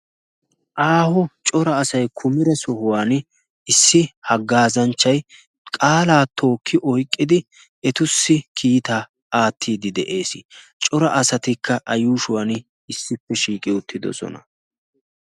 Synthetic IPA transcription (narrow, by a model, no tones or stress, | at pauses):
ʔaːhɔt͡ʃʼɔɾɐːsɐjkʰʊmɪɾɛsɔhʊwaːn | ɪsːɪhɐɡːaːzɐnt͡ʃːɐj | kʼaːlaːt̪ʰo̞ːkʰːɪʔɔjkʼːɪd̪ɪ | ɛt̪ʊsːɪkʰiːt̪aː | aːt̪ʰːiːd̪ɪd̪ɛʔe̞ːsɪt͡ʃʼɔɾɐʔɐsɐt̪ɪkʰːɐʔɐjuːʃʊwaːn | ɪsːɪpːɛʃiːkʼɪʊt̪ːɪd̪ɔ̰sɔ̰nɐ̰